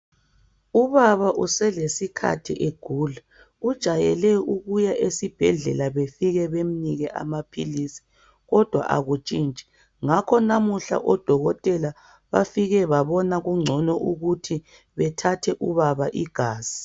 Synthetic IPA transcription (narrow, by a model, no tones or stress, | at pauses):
uβaβaʔusɛlesikʰa̰tʰiʔeɡ̥ʱuːlɛ | ud̥ʒ̥ʱajɛlɛuɣujaʔesib̥ʱɛɮɛ̰laβefiɣɛβem̩niɣɛʔa̰mapʰḭlisi̥ | ɣɔd̥ʱwa̰ʔa̰ɣut͡ʃʼiːnt͡ʃʼɛ̥ | ŋakʰɔnamuɬa̰ʔɔd̥ʱɔɣɔtʼɛla | βafiɣɛβaβɔnaɣuŋ͡ǀʱɔnɔʔuɣutʰi | βɛtʰatʰɛʔuβaβaʔiɡ̥ʱaːz̥i